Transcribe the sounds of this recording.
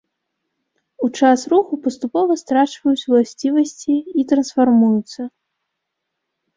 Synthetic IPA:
ut͡ʂasruxupɐst̪upɔvɐst̪ɾat͡ʂvɐjut͡sʲulˠasʲt͡sʲivɐsʲt͡sʲiːt̪ɾɐnsfarmujut̪sːɐ

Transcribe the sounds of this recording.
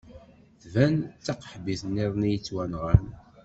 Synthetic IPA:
θvænt͡sːɑqːħbiθnːiðˤnijət͡sːwænʁæn

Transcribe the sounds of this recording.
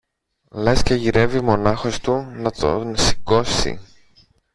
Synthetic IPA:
lesceʝiɾe̞vimo̞nɐxo̞st̪unɐt̪o̰nsi̥ko̞sḭ

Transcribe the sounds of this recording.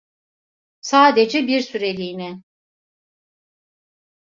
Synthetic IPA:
saːd̪ed͡ʒɛbiɾsyɾe̞lʲiːni

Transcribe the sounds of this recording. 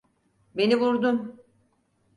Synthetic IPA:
be̞nivuɾd̪um

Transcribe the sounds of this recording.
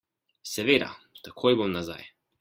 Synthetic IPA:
sɛʋed̪a̰t̪akʰojbomnaza̰j

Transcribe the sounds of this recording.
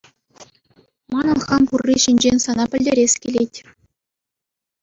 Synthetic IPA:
mɑnɤ̆nχɑmpurʲːiɕinʲd͡ʑenʲsɑnɑpʲɘ̆lʲdʲeɾʲesʲkʲilʲetʲ

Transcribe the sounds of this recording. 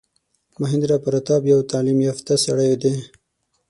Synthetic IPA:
maɦɪnd̪ɾɑpəɾat̪ɑbjawt̪ɑlimjɑft̪asaɽajod̪e

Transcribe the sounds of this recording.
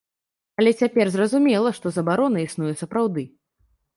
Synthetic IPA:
ɐlʲɛt͡sʲapʲɛrzrɐzumʲɛlˠɐʂt̪ɔzɐbaɾɔnɐisnujɛsɐpɾawd̪ɨ

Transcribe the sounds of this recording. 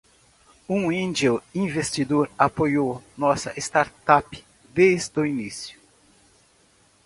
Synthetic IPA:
ũĩnd͡ʒoĩvest̪id̪oɾapojownɔsɐʔest̪aɾt̪apɪ̥ | d̪ezd̪ʊinisjʊ̥

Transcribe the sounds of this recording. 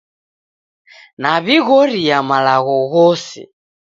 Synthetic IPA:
naβiɣɔɾijamalaɣɔɣɔsɛ̰

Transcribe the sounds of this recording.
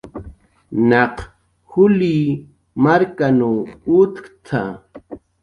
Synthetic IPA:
nɑq | hʊliː | maɾkanuːʊt̪kt̪ʰa

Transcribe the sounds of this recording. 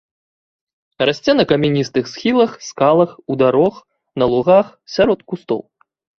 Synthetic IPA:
rasʲt͡sʲɛnɐkɐmʲinʲist̪ɨxsxʲilˠɐxskalˠɐxud̪aɾɔx | nɐlˠuɣax | sʲaɾɔt̪kust̪ɔ̰w

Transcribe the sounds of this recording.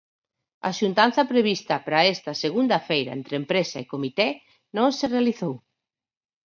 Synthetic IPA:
ɐ̰ʃunt̪an̟θɐpɾeβist̪ɐpɾaest̪ɐseɣund̪ɐfejɾɐ̰ḛnt̪ɾempɾesɐikomit̪ɛ | nõŋserealiθow

